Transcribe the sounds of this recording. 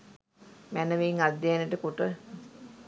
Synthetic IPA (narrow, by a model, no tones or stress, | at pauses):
mænəʋeːŋad̪ːeaneʈəkuʈə